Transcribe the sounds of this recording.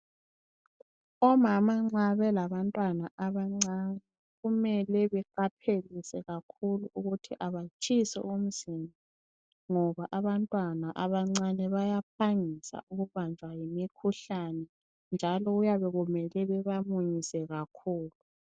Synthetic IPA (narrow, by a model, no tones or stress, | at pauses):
ɔmamaŋ͡ǀaβɛlaβantʼwanaʔaβaŋ͡ǀanɛ | ɣumɛlɛβɛǃapʰelisɛɣakʰuluuɣutʰiʔaβat͡ʃʼisɛ̰um̩z̥ina | ŋɔβaʔaβantʼwanaʔaβaŋ͡ǀanɛβajapʰaŋisa̰uɣuβand͡ʒʱwajimikʰuɬanɛ | nd͡ʒʱalɔujaβɛɣumɛlɛβɛβamuɲisɛɣakʰuːlu